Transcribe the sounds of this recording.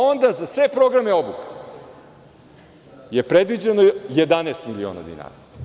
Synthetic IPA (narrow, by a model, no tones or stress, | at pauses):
o̞nd̪azasʋe̞pɾo̞ɡɾameo̞buke̥ | je̞pɾe̞d̪ʋid͡ʑenoje̞d̪aneːst̪milio̰na̰d̪ḭna̰ːɾa